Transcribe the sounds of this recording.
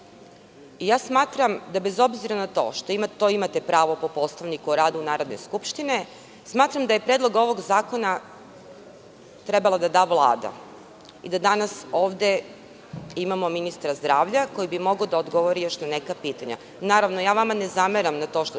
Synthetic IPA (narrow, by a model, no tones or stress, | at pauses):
ijaːsmaːt̪ɾamd̪abezo̞bziɾanat̪o̞̰ːʃt̪oimat̪oimat̪e̞pɾaːʋo̞po̞po̞slaʋnikuoɾaːd̪unaːɾo̞d̪ne̞̰skupʃt̪ine̞ | smaːt̪ɾamd̪aje̞pɾed̪lˠo̞ɡo̞ʋo̞ɡzaːko̞na | t̪ɾe̞balˠad̪ad̪aːʋlˠa̰ːd̪a̰ | ḭd̪ad̪anaso̞ːʋd̪e̞ | imamo̞minist̪ɾazd̪ɾaːʋʎako̞jibimo̞ɡod̪aod̪ɡo̞ʋoɾijo̞ʃnane̞kapiːt̪aɲa̰ | naːɾaʋnojaːʋamane̞zameɾamnat̪o̞ʃt̪